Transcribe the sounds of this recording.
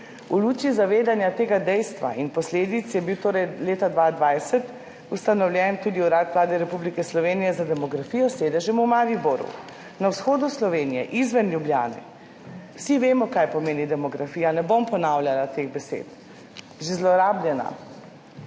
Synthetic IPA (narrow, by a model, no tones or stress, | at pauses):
uluːt͡ʃizaʋeːd̪anjat̪eːɡad̪ɛjst̪ʋa̰inpɔsleːd̪it̪sjɛbiwt̪oːɾɛjleːt̪ad̪ʋad̪ʋajsɛt̪ | ust̪anɔwljɛnt̪ud̪iuɾat̪ʋlaːd̪ɛɾɛpublikɛslɔʋeːnijɛzad̪ɛmɔɡɾafijɔseːd̪ɛʒɛmɔmaːɾiboɾṵ | nawsxoːd̪uslɔʋeːnijɛ̰ʔizʋɛnljublja̰ːnɛ̰ | wsiʋeːmɔkajpɔmeːnid̪ɛmɔɡɾafiːjanɛbompɔnaːwlʲjalat̪eɣbɛsḛːt̪ | ʒezlɔɾaːblʲjɛna̰